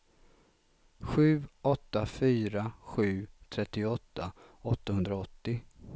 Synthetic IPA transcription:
ɧʉ̟ːɔt̪ːafyːɾaɧʉ̟ːt̪ʰɾɛt̪ːɪɔt̪ːaɔt̪ːahɵnd̪ɾaɔt̪ːɪ

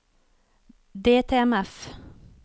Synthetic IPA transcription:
d̪eːt̪ʰeːɛmɛf

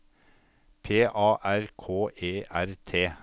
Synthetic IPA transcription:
pʰeːʔɑːʔæɾkʰoːʔeːʔæɾt̪ʰeː

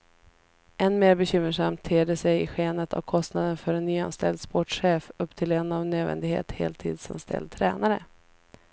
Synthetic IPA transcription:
ʔɛnmeːɾbɛɕʏmːəʂamt̪ʰːeːɖəsɛjɪɧeːnət̪ʰa̰vkʰɔst̪nad̪ənfœɾɛnːyːa̰nst̪ʰɛld̪spɔʈɧeːfɵpːt̪ʰɪlɛnavnøːd̪vɛ̰nd̪ɪɡhḛːt̪hḛːlt̪ʰːḭːd̪sanst̪ʰɛ̰ld̪̚t̪ʰɾɛ̰ːnaɾə̰

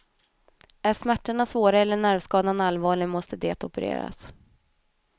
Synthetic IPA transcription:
æʂmæʈːaɳasvoːɾaɛlːəɳæɾvskɑːd̪analvɑːɭɪmɔst̪əd̪eːt̪ɔpəɾḛːɾa̰s

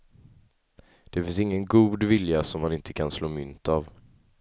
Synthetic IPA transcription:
d̪̥ɛfɪnsɪŋːənɡuːd̪vɪljasɔmːanɪnt̪ʰə̥kʰansloːmʏnt̪av

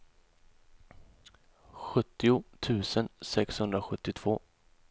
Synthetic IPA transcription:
ɧɵt̪ːɪʊt̪ʰʉ̟ːsənsɛkshɵnd̪ɾaɧɵt̪ːɪt̪ʰv̥oː

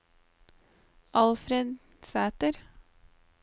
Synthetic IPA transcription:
ʔɑlfɾed̪ | sæːt̪əɾ

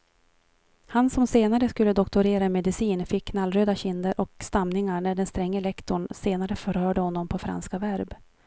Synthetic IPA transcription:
hansɔmseːnaɾəskɵlːəd̪ɔkt̪ʊɾeːɾaɛmɛd̪ɪsiːnfɪkʰːnalɾøːd̪aɕɪnd̪əɾʔɔkst̪amnɪŋaɳæɖɛnst̪ɾɛŋːəɛlɛkt̪ʊɳseːnaɾəfœɾhœːɖəhɔnːɔmpʰɔfɾa̰nskavæɾb

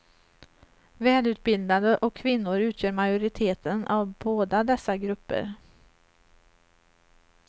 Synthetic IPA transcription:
vɛːlʉ̟ːt̪̚bɪld̪ad̪əʔɔkʰːvɪnːʊɾʉ̟ːt̪ʰjœːɾmajʊɾɪt̪ʰeːt̪ʰənavboːd̪ad̪ɛsːaɡɾɵpːə̰ɾ

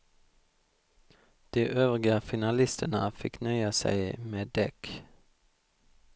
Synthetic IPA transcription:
d̪̥iːʔøːʋʁɪɡəfɪnɑlɪst̪ənəfɪknœʏəsæ̰ɪmeːd̪ɛk

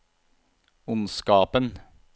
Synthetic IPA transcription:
ʊnskɑːpən

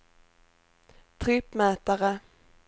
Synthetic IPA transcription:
t̪ʰɾɪpːmɛːt̪aɾə

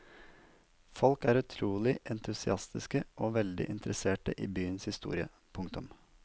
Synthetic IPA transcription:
fɔlkæːɾʉt̪ʰɾuːlɪʔɛnt̪ʰʉsɪɑst̪ɪskəʔoːʋɛld̪ɪ̰ʔɪnt̪əɾəseːʈə̰ʔiːbyːənshɪst̪ṵːɾɪə̰ | pʰʊŋkt̪ʊm

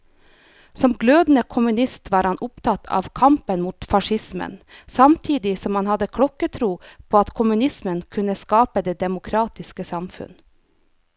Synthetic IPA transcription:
sɔmɡløːd̪n̩əkʰʊmʉnɪst̪ʋɑːɾhɑnʔʊpt̪ʰɑt̪ʰɑ̰ːʋkʰɑmpənmuːt̪fɑʃɪsmə̰nsɑmt̪ʰiːd̪ɪsɔmhɑnhɑd̪əkʰɽɔkət̪ʰɾuːpʰoːɑt̪kʰʊmʉnɪsmənkʰʉnəskɑːpəd̪eːd̪ɛmʊkʰɾɑːt̪ɪskəsɑmfʉ̰n

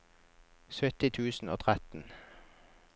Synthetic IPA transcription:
sœt̪ɪt̪ʰʉːsn̩o̰ːt̪ʰʁæt̪n̩

